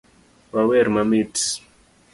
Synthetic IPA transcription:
wawɛɾmamits

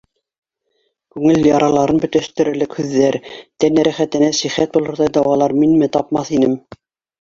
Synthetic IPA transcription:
kʉŋɘljɑɾɑlˠɑɾɤnbɵ̆t̪æʃt̪ɘ̆ɾɘ̆ɾlɘkhʉðːæɾt̪ænæɾæχæt̪ɘ̆næsiχæt̪̚bulˠɤ̆ɾðɑjd̪ɑwʁɑlˠɑɾminmɘt̪ɑpmɑθinɘm

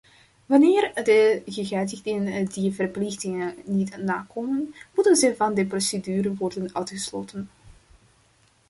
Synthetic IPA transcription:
ʋɑneːrdəɣəɣɛːzɪɣdɪəndivərplɪxtɪŋənnitnaːkoːmənmutənzəjvɑndəprosedyːɾənʋɔrdənœɥtχəsloːtən

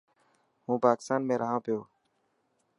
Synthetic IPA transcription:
ɦũːpaːkɪst̪aːnmẽːɾəɦãːpɪjoː

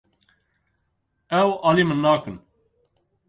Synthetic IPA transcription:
ɛwɑːliːmɨnːɑːkɨn

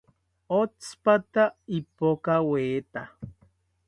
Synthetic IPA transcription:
ot͡spat̪aipokaweːt̪a

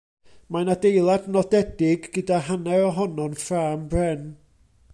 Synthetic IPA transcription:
manadejlˠadnɔdɛdɪɡːədaɦanɛɔɦɔnɔnfraːmbrɛn

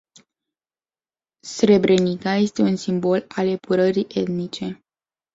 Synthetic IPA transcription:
sɾe̞bɾʔe̞nikaje̞st̪e̞unsimbo̞lalepuɾəɾiʔe̞t̪nit͡ʃe̞

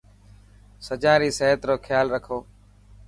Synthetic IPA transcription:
səd͡ʒãːɾiːseɦət̪ɾoːkʰjaːlɾəkʰoː

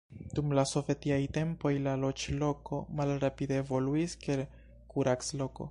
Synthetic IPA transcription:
d̥umlaso̞ve̞tiajte̞mpo̞jlalo̞t͡ʃlo̞ko̞malɾapideːvo̞luiskel | kuɾakslo̞ko̞̰

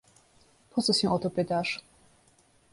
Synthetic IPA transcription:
pʰɔt̪sɔsĩʔɔt̪ɔpɘt̪aʂ

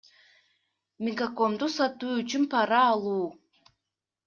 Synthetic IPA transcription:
mʲiɡako̞md̪usɑt̪uːyt͡ʃynpʰɑɾɑːlˠuː

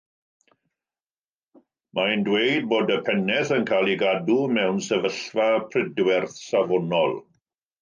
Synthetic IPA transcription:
mʔajndwejd̚boːdəpʰɛnɛθənkʰaːlˠiɡadumɛwnsɛvəɬvapʰrɪdwɛrθsavɔnɔlˠ

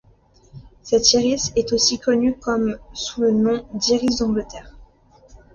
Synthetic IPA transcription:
sɛt̪seʁisɛt̪osikɔnykɔmsulənɔ̃d̪iʁizɔ̃ɡlət̪ɛʁ

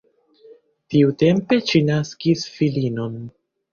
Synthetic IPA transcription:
tiute̞mpe̞ʃinaskisfilino̞n

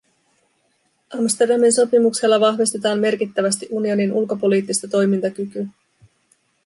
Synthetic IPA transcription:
ʔɑmst̪e̞rdɑminso̞pimukse̞lːɑʋɑxʋist̪e̞t̪ɑːmme̞rkit̪ːæʋæst̪iʔunio̞ninulko̞po̞liːt̪ːist̪ɑt̪o̞jmint̪ɑkyky

